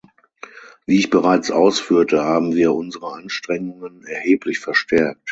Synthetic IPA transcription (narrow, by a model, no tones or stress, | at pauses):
viːɪçb̥əʁaɪt͡sʔaʊsfyːɐtəhaːbm̩viːɐʔʊnzəʁəʔanʃtʁ̥ɛŋʊŋənɛɐheːpʰlɪçfɛɐʃtʰɛɐk̚t